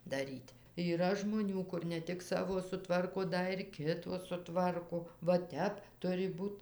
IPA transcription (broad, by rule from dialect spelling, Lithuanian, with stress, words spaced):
dɐˈrʲiːtʲ iːˈrɐ ʒmoːˈnʲuː ˈkʊr nʲɛ ˈtʲɪk ˈsɑːʋoː sʊˈtʋɐrkoː ˈdɐ ɪr ˈkʲɪtoː sʊˈtʋɐrkoː ʋɐ ˈtʲɛp ˈtʊrʲɪ ˈbuːt